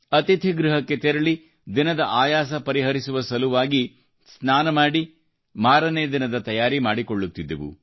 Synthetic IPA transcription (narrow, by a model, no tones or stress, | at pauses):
ɐt̪it̪ʰiɡɾuɦɐkːe̞t̪eɾɐɭi | d̪inɐd̪ɐʔaːjaːs̬ɐpɐɾiɦɐɾisuʋɐsɐluʋaːɡi | snaːnɐmaːɽi | maːɾɐneːd̪inɐd̪ɐt̪ɐjaːɾimaːɽikoɭːut̪ːid̪ːɐʋṵ